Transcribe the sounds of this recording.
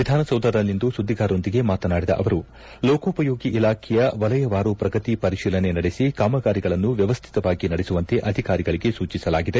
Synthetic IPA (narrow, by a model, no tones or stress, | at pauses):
ʋid̪ʱaːnɐsɐwd̪ʱɐɐlːind̪usud̪ʱːiɡaːɾo̞nd̪iɡe̞maːt̪ɐnaːɽid̪ɐ̰ʔɐʋɐɾu | loːkoːpɐjoːɡiʔilaːkʰɛjɐʋɐlɐjɐʋaːɾupɾɐɡɐt̪ipɐɾiʃiːlɐne̞nɐɽesikaːmɐɡaːɾiɡɐɭɐnːuʋjɐʋɐst̪ʰi̥t̪ɐʋaːɡinɐɽesuʋɐnt̪e̞ʔɐd̪ʱikaːɾiɡɐɭiɡe̞suːt͡ʃisɐlaːɡid̪e̞